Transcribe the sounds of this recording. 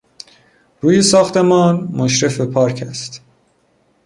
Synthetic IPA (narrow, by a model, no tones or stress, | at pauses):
ɾuːjesɒːxt̪e̞mɒːnmoʃɾe̞fepʰɒːɾcʰæst̪